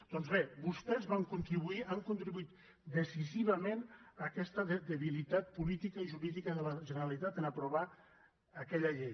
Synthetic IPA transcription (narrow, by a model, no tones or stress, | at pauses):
d̪̥ɔnzβebust̪ɛzβaŋkunt̪ɾiβuiʔaŋkunt̪ɾiβuit̪ | d̪əsiziβəmenəkɛst̪əðd̪əβilit̪at̪̚pulit̪ikəiʒuɾiðikəðələʒənəɾalit̪at̪ənəpɾuβ̞a | əkɛʎəʎej